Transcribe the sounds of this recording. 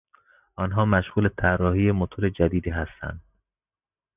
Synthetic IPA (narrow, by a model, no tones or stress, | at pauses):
ʔɒnɦɒːmæʃɣuːlet̪ʰærːɒːɦiːjemot̪ʰoɾe̞d͡ʒæd̪iːd̪iːɦæst̪æ̰nd̪̥̚